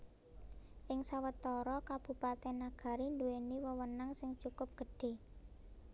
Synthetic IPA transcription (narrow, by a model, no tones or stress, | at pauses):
ʔɪŋsawət̪ɔɾɔkab̥ṳpat̪ɛnːaɡ̥a̤ɾind̪ueniwəwənaŋsɪŋt͡ʃukʊp̚ɡ̥ə̤ɖ̥e̤